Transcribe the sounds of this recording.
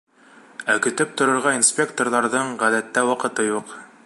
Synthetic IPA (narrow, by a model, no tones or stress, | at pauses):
ækɘ̆t̪ɘp̚t̪ŏɾŏɾʁɑinspʲekt̪orðɑɾðɤɴʁæðæt̪ːæwɑqɤ̆t̪ɤjuq